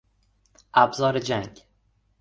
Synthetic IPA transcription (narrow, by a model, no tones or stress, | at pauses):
ʔæbzɒːɾed͡ʒæŋɡ